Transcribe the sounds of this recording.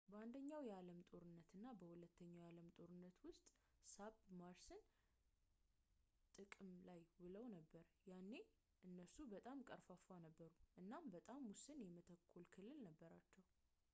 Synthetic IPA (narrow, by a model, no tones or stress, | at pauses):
bəand̪əɲːawjɛaləmt̪ʼo̞ɾɨnːət̪ɨnːabəhulət̪ʰːəɲːawjaləmt̪ʼo̞ɾɨnːət̪wʊst̪ʼ | sabmaɾsɨn | t̪ʼɨkʼɨmlajbɨləwnəbːəɾjanːe̞ | ʔɨnːəsubət̪ʼamkʼəɾfafanəbːəɾuʔɨnːambət̪ʼamwʊsɨnjɛmət̪ʰəkʰːolkʰɨlːɨlnəbːəɾat͡ʃːɛw